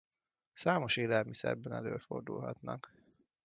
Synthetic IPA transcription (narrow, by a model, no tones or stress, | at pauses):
saːmo̞ʃeːlɛlmisɛrbɛnɛløːlfo̞rd̪ulɦɒt̪nɒk